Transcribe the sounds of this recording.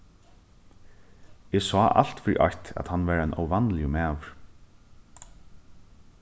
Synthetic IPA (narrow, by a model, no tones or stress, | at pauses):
ɛsɔːʔa̰l̥t̪fɪɾḭʔɔht̪æ̰t̪hanːʋɛːɾanɔ̰wʋanːlɪʊmæːʋɾ